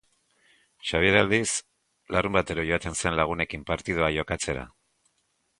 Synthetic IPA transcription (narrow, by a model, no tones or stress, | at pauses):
ʃaβiɾald̪is | larumbat̪e̞ɾoʝoat̪e̞nse̞nlaɣ̞une̞kimpaɾt̪ið̞oaʝo̞kat͡se̞ɾa̰